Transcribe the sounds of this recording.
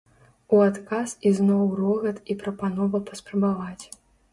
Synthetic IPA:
uat̪kasiznɔwrɔɣɐt̪ipɾɐpanɔvɐpɐspɾɐbavat͡sʲ

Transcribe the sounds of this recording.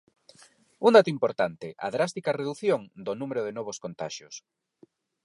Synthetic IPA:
und̪at̪oimpoɾt̪ant̪ɪʔɐ̰ðɾast̪ikareðuθjoŋd̪onumeɾʊð̞enɔβ̞oskont̪a̰ʃjʊs

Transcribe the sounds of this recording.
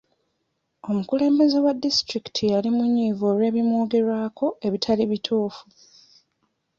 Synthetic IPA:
o̞mukule̞ːmbe̞ze̞wadːistɾiki̥tʰialimuɲːiːvoɾwe̞ːβimwo̞ːɡe̞ɾwaːkʰo̞e̞βitʰaliβitʰuːfu

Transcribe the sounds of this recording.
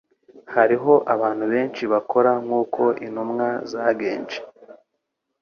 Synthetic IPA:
haɾiɦo̞ʔaβaːn̥huβe̞ːnt͡ʃiβakʰo̞ɾaŋuːkʰo̞ʔḭnumŋazaːɡe̞ːnt͡ʃe̥

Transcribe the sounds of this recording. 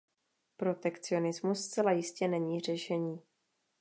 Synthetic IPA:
pɾo̞t̪ɛkt͡sɪo̞nɪzmusːt͡sɛlajɪscɛnɛɲiːr̝ɛʃɛɲiː

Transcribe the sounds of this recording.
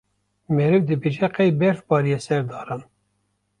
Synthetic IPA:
mɛɾɨvd̪ɨbeːʒɛqɛjbɛɾfbɑːɾijɛsɛɾd̪ɑːɾɑn

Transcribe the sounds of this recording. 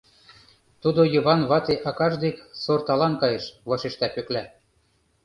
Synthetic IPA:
t̪ud̪ojɤ̆βɑnβɑt̪eʔɑkɑʒd̪eksort̪ɑlɑnkɑjɤʃβɑʃeʃt̪æpøklæ

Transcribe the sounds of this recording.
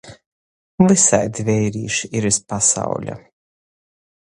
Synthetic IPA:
visajd̪vʲɛjɾḭːʃiiɾispasa̰wlʲa̰

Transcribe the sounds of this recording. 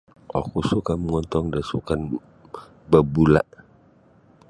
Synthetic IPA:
ɔ̰kusukaməŋɔnt̪ɔŋdasukan | bəbula̰ʔ

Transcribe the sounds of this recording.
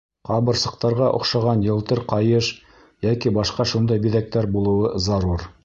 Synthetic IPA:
qɑβɤ̆ɾsɤ̆q̚t̪ɑɾʁɑʔŏχʃɑʁɑnjɤ̆lˠt̪ɤɾqɑjɤʃ | jækibɑʃqɑʃund̪ɑjbiðæk̚t̪æɾbulˠɤ̆wɤzɑɾuɾ

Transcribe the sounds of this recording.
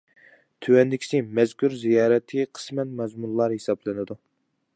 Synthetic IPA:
t̪ʰywɛnd̪ɪkʲʰi̥sɪmɛzkʲʰuɾzijɑːɾɛt̪ʰːɨqʰə̥smɛt̪mɛzmullˠɑɾhesɑblˠɪnɨd̪u

